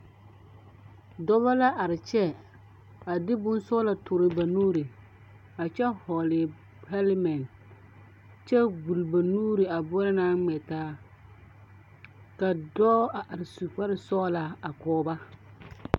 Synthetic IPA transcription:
dɔ˦ba˦la˦ʔa˨ɾɪ˨t͡ʃɛ˦ | a˨dɪ˦bʊ˦nsɔ˦la˨tʰʊ˨ɾɪ˨ba˨nuː˦ɾi˨ | a˨t͡ʃɛ˦hɔ˨lɪ˨ | pɛ˦lmɛ˨n | t͡ʃɛ˦ɡu˨lba˨nuː˦ɾi˨a˨bʊ˦ɔ˦ɾa˦naː˦ŋ͡mɛ˨taː˦ | ka˨dɔː˦a˨ʔa˨ɾɪ˨su˨pa˦ɾɪ˨sɔː˦la˨a˨kɔː˦ba˦

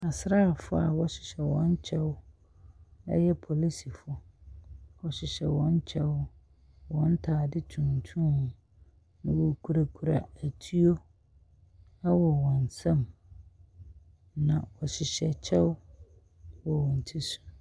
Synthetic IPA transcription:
a˨sɾa˦˨fʊ˦a̰˨wɔ˦ɕɪ̥˨ɕɛ˨wɔ̃˦ɲ˦t͡ɕʰɛ˦w | ɛ̰˦jɛ˦pʰɔ˨li˦si˨fɔ˨ | wɔ˨ɕɪ˨ɕɛ˨wɔ̃˦ɲ˦t͡ɕʰɛ˦w | wɔ̃˦n̩˦tʰaː˨dɪ˦tʰũ˨n˨tʰũ˦˨ | nã˨wo˨kʰu˦ɾa˨kʰu˦˨ɾa̰˨æ˨tʰi˦o˦ | a˦wɔ˨wɔ̃˨n˨sɛ̃˦˨m | nã˨wɔ˨ɕɪ˨ɕɛ˨t͡ɕʰɛ˦w | wɔ˨wɔ̃˨n̩˨tʰi˦su̥˨

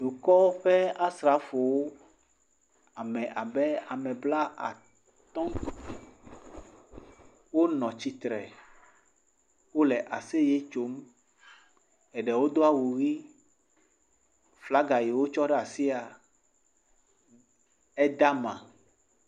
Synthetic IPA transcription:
ɖ̪u˨kɔ˦ɸɛ˦a˦sɾa˨˦fo˨wo˦ | a˨mɛ̃˨ʔa˨bɛ˦a˨mɛ˨bla˦ʔa̰˨ | t̪ɔ̃˦ | wo˦nɔ̃˨t͡ɕi˦t̪ɾɛ̰˨ | wo˦lɛ˨ʔa˨se˦je˦t͡ʃo˦m | ɛ˨ɖɛ˨wo˦d̪o˦a˦wu˨ɣi˦ | fla˦ɡa˨ji˨wo˦t͡ʃɔ˦ɖɛ˦a˨si˦a˨ | ɛ˦d̪a˦mã̰˨

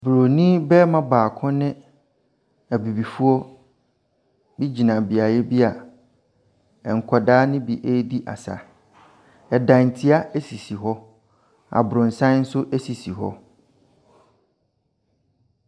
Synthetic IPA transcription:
bɾo˨nĩ˦bɛ˦mã˦baː˨kʰʊ̃˦nɪ̃˦ | æ˨bi˨bi˨fu˦ɔ˦ | bi˦d͡ʑi˨nã˨bi˨a˨jɛ˦bi˦a˨ | ɛ˨ŋ̩˨kʰɔ˨daː˦nɪ̃˦bi˦˨ʔe˦di˦ʔa̰˨sa̰˨ | ɛ˨dã˨n̩˨tʰi˦a˦ʔe˦si˨si˨ɦɔ˦ | a̰˨bʊ˨ɾʊ̃˨n̩˨sã˦n̩˦sʊ˦ʔɛ˦si˨si˨ɦɔ̰˦

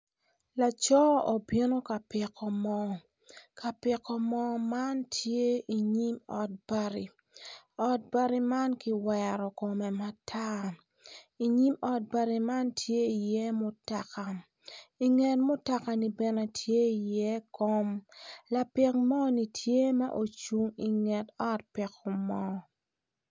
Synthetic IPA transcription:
la˨t͡ʃɔ˦ɔ˨bje˦no˦ka˨pɪ˨kʰːɔ˨mɔ˦ | kʰa˨pɪ˨kːɔ˨mɔ˦ma˦ntʰje˦i˨ɲi˦mɔ̰˨t̚b̥a˦ɾḭ˨ | ɔ˨˦t̚ba˦ɾi˦ma˦nki˨˦wɛ˨ɾɔ˨ko˨mɛ˨ma˦tʰa˦ | i˨ɲi˦mɔ˦t̚ba˦ɾi˨ma˦ntʰje˦i˨jɛ˦mʊ˨ta˨ka˨ | i˨ŋɛ˨tmʊ˦ta˨ka˨ni˨bɛ˨ne˨tʰje˦i˨jɛ˦ko˦mla˨pɪ˦k̚mɔ˦ni˨tʰje˦ma̰˦ʔo˨t͡ʃu˦ŋi˨ŋɛ˨tɔ˦t̚pɪ˨kɔ˨mɔ˦

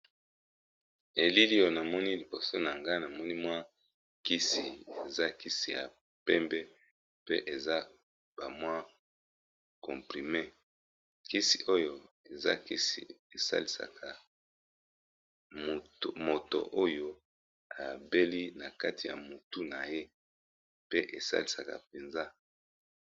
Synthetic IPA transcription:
e˨li˦li˦o˦na˨mɔ˦ni˦li˨bo˨so˦na˨ŋɡa˦na˨mɔ˦ni˦mwa˦ | ki˦si˨e˨za˦ki˦si˨ja̰˨ | pɛ˦mbɛ˦ | pe˦ʔe˨za˦ | b̥a˨mwa˦ | kɔ̃˨pʁi˨me˦ | ki˦si˨ʔo˦jo˨ | e˨za˦ki˦sḭ˨e˨sa̰˦li˨sa̰˨kʰa˨ | m˨mo˨to̰˨ʔo˦jo˦ | a˨be˦li˦na˨ka˦ti˨ja̰˨mo˨tu˦na˨je˦ | pe˦ʔe˨sa̰˦li˨sa̰˨ka̰˨pe˨nza˦

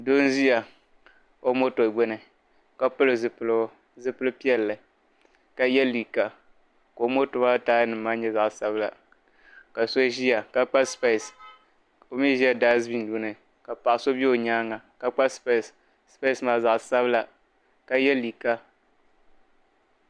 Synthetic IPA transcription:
do˦n˦zi˦ja˨ | o˦mo˦to˨ɡ͡bɛ˦nɨ˨ | ka˦pʊ˦lɨ˨zɨ˨pl | zɨ˦pɨ˦lɨ˦pi˦ɛ˨lːɨ˨ | ka˨jɛ˦lːi˨ka˦ | ko˨˦mo˦tʊ˨ba˦taː˦jnɨ˨m̩ː˦aː˦ɲɛ˦za˨ʔsa˦bla̰˨ | ka˨so˦ʒi˦ja˨ka˦k͡pa˦spe˦˨s | o˨mi˦ʒi˦a˦daː˦zbi˦n˦du˦nɨ˨ | ka˨pa˨ʔso˦bi˦o˨ɲaː˦ŋa˨ka˨k͡pa˦sp | spe˦˨smaː˨za˨ʔsa˦bla˨ | ka˨jɛ˦li˨ka˦

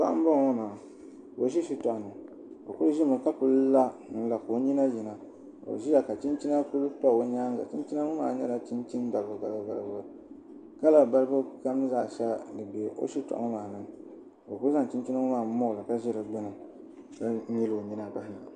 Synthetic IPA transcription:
ba̰˦ʔa̰˦m̩˦bɔ˦ŋ˨o˦na˨ | o˨˦ʃi˦ʃi˦tɔ˨ʔnɨ˨ | o˨ku˦ɾʒi˦mɨ˨ka˦pu˦lla˦n̩˦la˨ko˨˦ɲi˦na˦ji˨na˨ | o̰˨ʒi˦ja˨ka˨t͡ʃi˦nt͡ʃi˦na˦pu˦lta˦˨wo˦ɲaː˦n˦za̰˨t͡ʃi˦n˦t͡ʃi˦na˦ŋʊ˦ma̰ː˨˦ɲɛ˦la˨t͡ʃi˦nt͡ʃi˦nba˨lbʊ˨˦ba˨ba˦ba˨ɾbʊ˦ | ka˦la˦ba˦ɾɨ˦bʊ˦ka˦mnɨ˦zaː˦˨ʃɛ˦dɨ˨be˨˦ʔo̰˦ʃi˦tɔ̰˨ʔŋ˦maː˨nɨ˦ŋ | o˨ku˦ɾza˦ŋ˨t͡ʃi˦n˦t͡ʃi˦na˦ŋʊ˦maː˨˦mo˦˨lɨ˨ka˦ʒi˦lɨ˨ɡ͡bɛ˦nɨ˨ | ka˦ɲi˦lo˨ɲi˦na˦˨ba˦ha̰˨

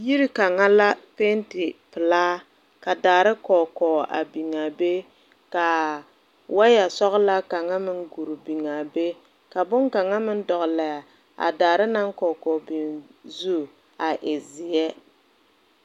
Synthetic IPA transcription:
ji˦ɾi˦ka˨ŋa˦la˦pe˦ntɪ˨pɪ˨laː˦ | ka˨daː˨ɾɪ˦kɔː˨kɔː˨a̰˨bi˨ŋa˨be˦ | ka˨ | wa˦ja˨sɔ˦ɣla˦ka˨ŋa˦mɪ˦ŋɡu˨ɾbi˨ŋa˨be˦ | ka˨bʊ˦ŋka˨ŋa˦mɪ˦n˦dɔ˨ɣla˨ja˨ | a̰˨daː˨ɾɪ˦na˦ŋkɔː˨kɔː˨bi˨nzu˦˨ | a˨ʔɪ˨zɪ˨jɛ˦

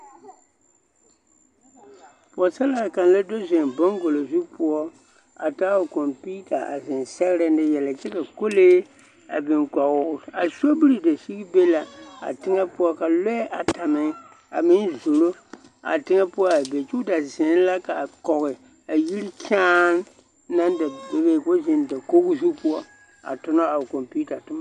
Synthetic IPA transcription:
pʊ˨ɔ˨sa˦la˨ka˨n˨la˦do˦zɪ˨ŋ˨bɔ˦ŋ˦ɡo˨lo˨zu˦pʊ˦ɔ˦ | a̰˨ta˦wo˨ko˨mpiː˦ta˨a̰˨zɪ˨nsɛ˦ɣɾa˦nɪ˦jɛ˨la˨t͡ʃɛ˦ka˨ko˦leː˦ | a̰˨bɪ˨ŋka˨ɣʊ˦˨a˨so˦bi˦ɾi˨da˨si˦ɡi˦be˦la˨a̰˨tɪ˦ŋɛ˦pʊ˦ɔ˦ka˨lɔ˦ɛ˦ʔa˨ta˨mɪ˦ŋ˦ | a̰˨mɪ˦n˦zo˨lo˦ | a̰˨tɪ˦ŋɛ˦pʊ˦ɔ˦a˨bɛ˨t͡ʃu˦da˨zɪ˨n˦la˦ka˨kɔ˨ɣɪ˨ | a˨ji˦li˦kʲʰaː˦n˦ | na˦nda˨be˦be˦˨ko˦zɪ˨n˨da˨ko˦ɡzu˦pu˦ɔ˦ | a̰˨tʊ˨nɔ˦a˨ko˨mpi˦ta˨tʊ˦ma˦˨

